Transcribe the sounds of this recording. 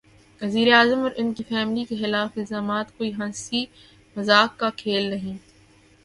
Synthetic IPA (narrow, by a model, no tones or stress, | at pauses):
ʋɐziːɾeaːzəmɔɾʔɪnkifɛːmlikexɪlaːfɪlzaːmaːt̪koːiɦɐ̃nsi | mɐzaːkːakʰeːlnɐɦĩː